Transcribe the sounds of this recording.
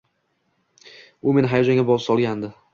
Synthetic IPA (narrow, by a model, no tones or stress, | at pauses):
ʊme̞nɦajɒd͡ʒaŋʲabɒlˠɨpsɒlˠɡʲand̪ɪ